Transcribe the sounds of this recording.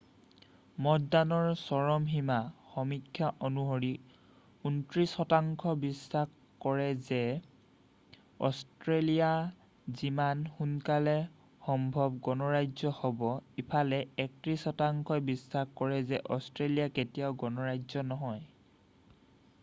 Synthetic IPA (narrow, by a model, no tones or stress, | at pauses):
mɔtdanɔɹsɔɹɔmɦimaxɔmikʰːjaʔɔnuɦoɹi | untɹisxɔtaŋkʰɔbisːah | kɔɹɛzɛ | ɔstɹelija | zimanxunkalɛ | xɔmbʱɔb̚ɡɔnɔɹajzɔhɔbɔipʰalɛɛk̚tɹisxɔtaŋkʰɔbisːahkɔɹɛzɛʔɔstɹelijaketijaʊɡɔnɔɹajzɔnɔɦɔj